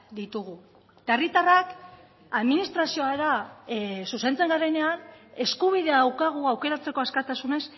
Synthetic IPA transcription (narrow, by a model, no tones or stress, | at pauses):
d̪it̪uɣ̞u | t̪aerit̪arak | aðminist̪ɾasio̞aða | suse̞nt͡se̞ŋɡaɾe̞ne̞ane̞skuβ̞iðe̞aawkaɣ̞uawke̞ɾat͡se̞ko̞askat̪asune̞s